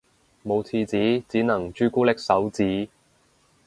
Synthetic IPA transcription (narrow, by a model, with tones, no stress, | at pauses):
mo˨˧wt͡sʰiː˧t͡siː˨˥t͡siː˨˥nɐ˨˩ŋt͡ʃyː˥kuː˥lɪ˥k̚sɐ˨˥wt͡siː˨˥